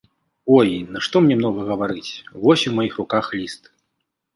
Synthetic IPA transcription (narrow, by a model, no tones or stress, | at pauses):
ɔjnɐʂt̪ɔmnʲɛmn̪ɔɣɐɣɐvaɾɨt͡sʲvɔsʲumajixrukaxlʲist̪